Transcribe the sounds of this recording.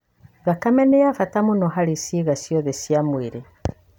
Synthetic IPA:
ɣakamɛnejafatamunɔɦaɾisiɣasjɔðesjamweɾe

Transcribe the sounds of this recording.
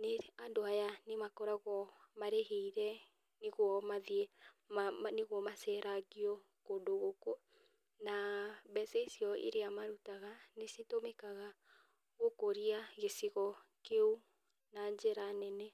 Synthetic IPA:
neandoajanemakɔɾaɣwɔmaɾeheiɾɛ | neɣwɔmaðiɛ | mneɣwɔmasɛɾʔaɣiɔ | kondoɣoko | nabɛsɛisiɔʔḛɾeamaɾutaɣanesetomɛkaɣa | ɣokoɾiaɣesiɣɔkeu | naɲd͡ʒɛɾanɛnɛ

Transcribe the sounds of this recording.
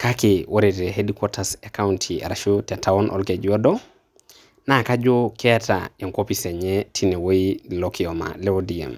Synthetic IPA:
kakewʔoɾeteɦedikotasekauntʰiḛɾaʃutetawonʔo̰lkeɟiodo | nakad͡ʒokʰeta̰eŋkopiseɲetʰinewoilokioma̰leodiḛm

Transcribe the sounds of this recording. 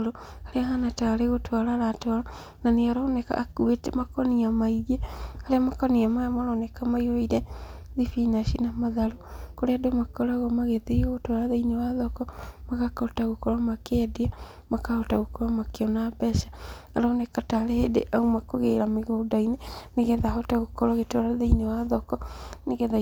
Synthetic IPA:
ɾoaɾeaɦanataɾeɣotwaɾaɾatwaɾa | naneaɾɔnɛka̰ːkuetɛmakɔniamaiɣeaɾeamakɔniamajamaɾɔnɛkamaioiɾɛ | ðifinaʃinamaðaɾokoɾeadomakɔɾaɣɔmaɣeðeɣotwaɾaðainewaðɔkɔmaɣakɔtaɣokɔɾɔmakɛːdea | makahɔtaɣokɔɾɔmakeɔnabɛʃḁaɾɔnɛkataɾehedḛʔaumakoɣeɾameɣodaineneɣɛðahɔtaɣokɔɾɔɣetɔɾaðeinewaðɔkɔneɣɛða

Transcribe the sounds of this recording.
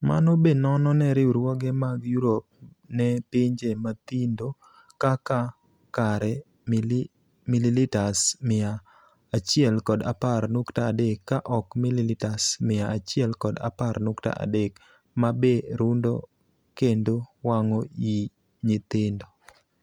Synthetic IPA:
ma̰nobenɔnɔnɛɾɪuɾwɔɡɛmaɡjuɾop̚ | nɛpɪɲd͡ʒemat̪indo | kaka | kaɾɛ | m | mililitasmɪaː | t͡ʃɪɛlkɔdaparnʊktaːdekːaʔɔkmililɪtasmɪjaat͡ʃɪɛlkɔda̰parnʊkta̰ʔa̰dek | mabeɾundɔ̰ | kendowaŋɔi | ɲɪt̪ɪndo

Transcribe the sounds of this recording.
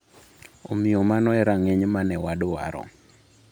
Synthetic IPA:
omɪjɔmanɔɛɾaŋeɲmanɛwadowa̰ɾɔ̰

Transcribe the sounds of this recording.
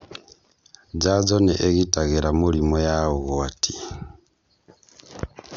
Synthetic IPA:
d͡ʒazoneʔeɣitaɣeɾamulimojauɣoatʰi̥

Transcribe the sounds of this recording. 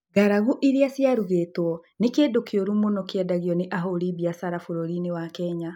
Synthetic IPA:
ɡaɾaɣuʔiɾiasjaɾuɣetwɔnekeːdokjoɾumonɔkeɛdaɣjɔneʔaɦoɾibiasaɾafoɾoɾinewakɛɲa

